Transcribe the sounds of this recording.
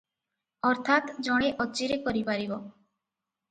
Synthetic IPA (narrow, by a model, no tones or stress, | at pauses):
ɔɾt̪ʰat̪d͡ʒɔɽ̃eʔɔt͡ʃiɾekɔɾipaɾibɔ